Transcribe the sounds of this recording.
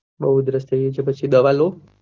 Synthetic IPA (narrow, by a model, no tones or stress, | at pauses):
bəɦud̪ɾəst̪ʰəijet͡ʃʰepət͡ʃʰid̪əʋalo